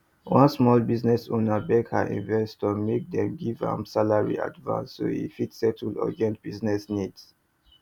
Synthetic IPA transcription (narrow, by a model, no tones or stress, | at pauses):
wãnsmɔlbiznɛsonabɛkhaʔḭ̃nvɛstɔmek̚dɛ̃mɡivã̰msalaɹḭa̰dvã̰nsːo̰ḭfitsɛtʰlɔ̰ɡɛ̃ntb̥iznɛsnids